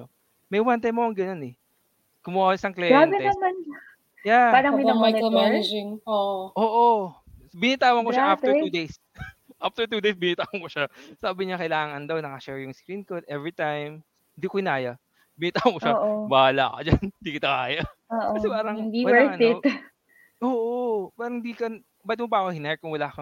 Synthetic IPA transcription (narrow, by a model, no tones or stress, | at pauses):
o | mɐjwant̪ɐjmːoɐŋɡɐno̞nɛ | kʊmʊaɪsɐŋklɛɡanɡɪnɐman | japaːɾɐŋɪɐɐɐmaɪd͡ʒɪŋoʔoʔoːʔo | bɪnit̪aːwɐŋkoʃaʔaft̪ɛɹuːd̪ejs | ʔaft̪ɛɹt̪uːd̪ejsbɪnit̪aːwɐŋkoʃasaːbɪɲakɐjlaːŋɐnd̪ɐwnɐkɐʃɛɹjʊŋskɾinkot̪ʔɛvɹit̪ajm | hɪnd̪iːkohɪnaːjɐ | bɪnɪːt̪aːwɐŋkoʃaʔobaːla̰kɐd͡ʒand̪iːkɪt̪ɐka̰ːjɐoːʔoɐɛpaːɾɐŋnd̪ipawɛɐɪ̥ | ʔoːʔopaːɾɐŋɪnd̪iːkɐ | bɐt̪̚mʊpɐʔkohɪnɛɹ̚kʊŋwɐlaːkɐ